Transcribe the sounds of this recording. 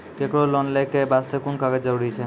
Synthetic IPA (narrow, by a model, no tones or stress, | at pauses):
kekɽolɔnlɛkːebast̪ekunkaɡed͡ʒəɾuɽit͡ʃʰɛ